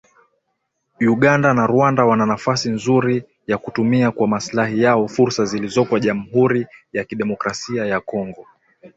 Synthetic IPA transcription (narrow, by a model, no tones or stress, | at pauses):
juɠandanaɾuandawananafasinzuɾi | jakutumiakwamaslahijaɔfuɾsazilizɔkwaʄam̩ɦuɾijakiɗɛmɔkɾasiajakɔŋɡɔ